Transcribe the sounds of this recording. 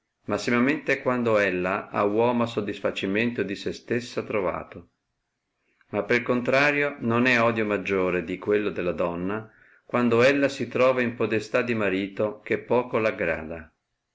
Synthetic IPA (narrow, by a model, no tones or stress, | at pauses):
masːimament̪ekwand̪oɛlːaa̰wɔːmoasod̪ːisfat͡ʃiment̪od̪isest̪esːat̪ɾova̰ːt̪o | mapːelkont̪ɾaːɾjononɛɔd̪jomad͡ʒːoːɾed̪ikwelːod̪elːad̪ɔnːa | kwand̪oɛlːasit̪ɾɔːvaimpod̪est̪ad̪ːimaɾiːt̪ok̟epːɔːkolaɡɾa̰ːd̪a